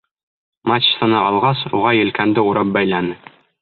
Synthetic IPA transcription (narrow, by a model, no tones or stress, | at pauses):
mat͡ɕsɤ̆nɤɑlˠʁɑsuʁɑjɘ̆lkænd̪ɘuɾɑp̚bæjlænɘ